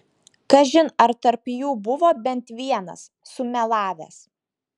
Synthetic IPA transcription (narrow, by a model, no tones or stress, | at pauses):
kɐʒʲɪnɐɾt̪ɐɾpjuːbʊʋoːbʲɛnt̪ʋʲiɛnɐ̰sːʊmʲɛlˠɑːʋʲɛ̰ːs